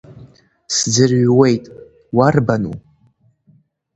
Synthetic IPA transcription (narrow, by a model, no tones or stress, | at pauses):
sd͡zɨrɥwe̞jtʼ | warbanṵ